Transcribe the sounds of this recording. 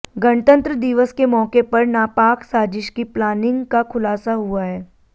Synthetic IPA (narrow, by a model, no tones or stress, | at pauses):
ɡɐɳt̪ə̃nt̪ɾəd̪iʋəskemɔːkepɐɾnaːpaːksaːd͡ʒɪʃkiplaːnɪ̃ŋɡkakʰʊlaːsaɦuaɦɛː